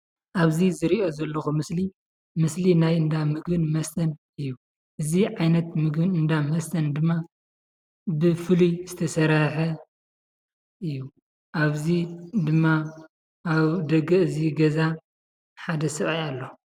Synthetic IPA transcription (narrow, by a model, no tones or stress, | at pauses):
ʔaβzizɨɾiʔo̞zɐlːɐxumɨsli | mɨslinajɨnd̪amɨɡbɨnmɐst̪ʰɐn | ɨjːu | ʔɨziʕajnɐt̪mɨɡbɨnɨnd̪amɐst̪ʰɐnd̪ɨmːa | bɨfɨlujzɨt̪ʰɐsɐɾɐħɐ | ɨjːu | ʔaβzid̪ɨmːaː | βd̪ɐɡɐʔɨziɡɐza | ħad̪ɐsɨʔʼajalːo